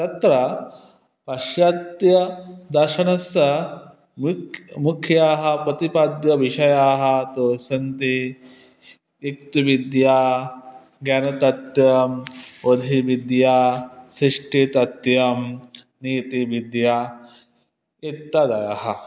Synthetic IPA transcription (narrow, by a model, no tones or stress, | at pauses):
t̪ɐt̪ɾɐ | pɐʃjat̪jɐd̪ɐɾʃɐnɐsɐ | mukʰjaːɦɐpɾɐt̪ipad̪jɐʋiʃɐjaːɦɐ̆t̪oːsɐnt̪i | ik̚t̪uʋid̪jaː | ɡjanɐt̪ɐt̪jɐmod̪ʱiʋid̪jaːsɾiʂʈʰit̪ɐt̪jɐm | niːt̪iʋid̪jaː | it̪ːɐd̪ɐjɐɦɐ̆